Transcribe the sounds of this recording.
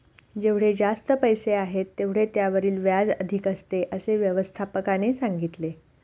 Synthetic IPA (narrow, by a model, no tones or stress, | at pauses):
d͡ʑeʋɽ̤ed͡zast̪əpəjseaɦet̪ːeʋɽ̤et̪jaʋəɾiːlʋjad͡zəd̪ʱikəst̪eʔəseʋjəʋəst̪ʰapəkanesaŋɡit̪le